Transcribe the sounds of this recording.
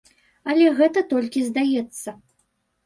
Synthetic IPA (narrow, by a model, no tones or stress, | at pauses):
ɐlʲɛɣɛt̪ɐt̪ɔlʲkʲizd̪ajɛt̪sːɐ